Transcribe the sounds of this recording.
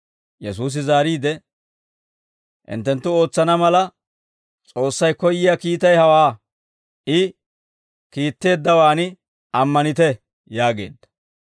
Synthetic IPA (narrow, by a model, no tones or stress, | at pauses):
jɛs̬uːs̬ɪzaːɾiːd̪ɛ | ʔɪ̰nt̪ːɛnt̪ːʊo̞ːt͡sːɐnɐmɐlɐ | t͡sʼo̞ːsːɐjkɔjːɪjakiːt̪ɐjhɐwaː | ʔɪ | kiːt̪ːe̞ːd̪ːɐwaːnɪ | ʔɐmːɐnɪt̪ɛ | jaːɡe̞̰ːd̪ːɐ̥